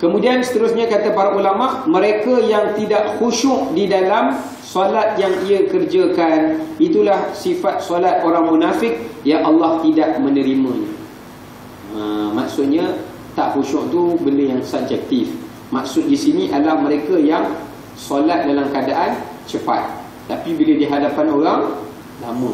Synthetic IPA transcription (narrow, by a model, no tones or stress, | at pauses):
kəmudiansə̥t̪əɾʊsɲakat̪apaɾaʔulamaʔmə̃ɾekajaŋt̪idaʔxuʃʊʔdidalam | solat̪̚jaŋiakərd͡ʒakanit̪ulahsifat̪̚solat̪̚oɾaŋmunafɪk̚jaʔɑlːɑht̪idaʔmə̃nəɾimãɲa | əmaksʊt̪̚ɲã | t̪aʔxuʃʊʔt̪ubələjaŋsab̚d͡ʒɛk̚t̪ɪf | mak̚sʊt̪̚disinĩʔadlahməɾekajaŋ | solat̪̚dalamkadaʔan | t͡ʃəpa̰t̪̚ː | apibiladiɦadapanoɾaŋ | lamʊt̪